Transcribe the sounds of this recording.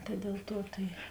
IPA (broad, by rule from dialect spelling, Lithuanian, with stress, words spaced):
tɐ dʲɛlˠ ˈtuɔ tɐɪ